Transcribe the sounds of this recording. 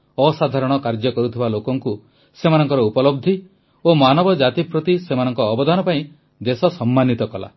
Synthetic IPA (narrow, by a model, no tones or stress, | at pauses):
ɔsad̪ʱaɾɔɽ̃ɔkaɾd͡ʒɔkɔɾut̪ʰibalokɔŋku | semanɔŋkɔɾɔupɔlɔb̚d̪ʱi | omanɔbɔd͡ʒat̪ipɾot̪isemanɔŋkɔːbɔd̪anɔpaĩ | d̪esɔsɔmːanit̪ɔkɔla̰